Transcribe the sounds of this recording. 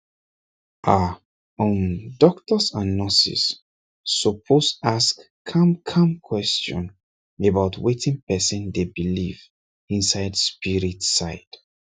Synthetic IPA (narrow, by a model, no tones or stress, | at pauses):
ʔa | ɔ̃ndɔktəsãnːɔsḭsː | ɔpʰosaskʰ | ãmkʰãmkʰwɛst͡ʃɔ̰̃n | ebaʊtwetĩŋpɛsɔ̃ndebiliv | ĩnsaɪdspiɹitsaɪd̥